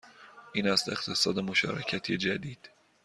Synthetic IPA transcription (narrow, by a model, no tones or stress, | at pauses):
ʔiːnæst̪e̞χt̪ʰe̞sɒːd̪emo̞ʃɒ̰ːɾecʰæt̪ʰid͡ʒæd̪iːd̪̥